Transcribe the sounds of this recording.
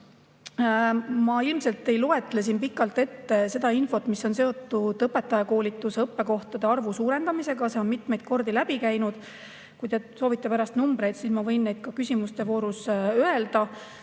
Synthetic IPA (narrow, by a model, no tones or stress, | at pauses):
mɑilmse̞lt̪ːˑe̞jloe̞t̪ːˑle̞s̬inpikːˑɑlt̪ːe̞t̪ːese̞d̪ɑinfo̞t̪ːmisːo̞nse̞o̞t̪ːud̪ɤpːe̞t̪ːˑɑjɑko̞ːlʲit̪ːˑuseɤpːe̞ko̞ht̪ɑd̪̥e̞ɑrvusuːɾe̞nd̪ɑmise̞ɡ̥ɑseo̞nmit̪me̞jd̪̥̚ko̞rd̪ilæb̥ikæjnud̪̥ | kujt̪e̞so̞ːvit̪ːepæɾɑst̪numbɾe̞jd̪̥sismɑvɤ̞jnnːe̞jd̪̥̚kɑkysʲimust̪e̞vo̞ːɾusøeld̪̥ɑ